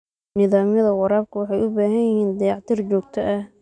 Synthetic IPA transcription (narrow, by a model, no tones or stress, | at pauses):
nɪðaːmjɐðɐwɑɾaːb̚kʰʊwɑħɑjʊbaːɦɐjɪhiːnd̪ɑjɑʕt̪ʰiːrt͡ʃɔːɡt̪ʰɐʔɐh